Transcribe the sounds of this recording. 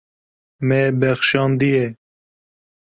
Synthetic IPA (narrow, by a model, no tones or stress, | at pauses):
mɛbɛxʃɑːnd̪ijɛ